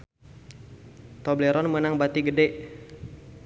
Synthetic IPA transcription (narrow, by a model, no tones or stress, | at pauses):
t̪ɔblɛɾɔnmənaŋbat̪iɡədɛʔ